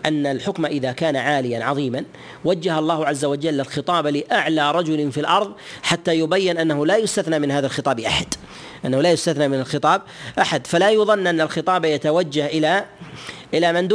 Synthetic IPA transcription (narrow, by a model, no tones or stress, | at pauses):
ʔanːalħʊkmaʔɪðakaːnaʕaːlɪjanʕɑðˤiːman | wad͡ʒːahɑlˤːɑːhʕazːawad͡ʒalːɪlxɪt̪ˤɑːblɪʔaʕlaːɾˤɑd͡ʒʊlfilʔɑɾˤðˤħat̪ːajʊbajːɪnʔanːahʊlajʊst̪aθnaːmɪnhaːðalxɨt̪ˤɑːbʔaħad̪̥ | ʔanːahulaːjʊst̪aθnamɪnalxɨt̪ˤɑːb̚ | ʔaħad̪falajʊðˤɑnːʔanːalxɪt̪ˤɑːbjat̪awad͡ʒːahʔɪla | ʔɪlamɪnd̪